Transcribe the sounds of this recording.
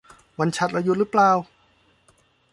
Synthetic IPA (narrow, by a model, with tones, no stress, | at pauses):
wa˧nt͡ɕʰa˦˥t̪̚ɾla˧ju˧˥ɾɯ˦˥plaː˧w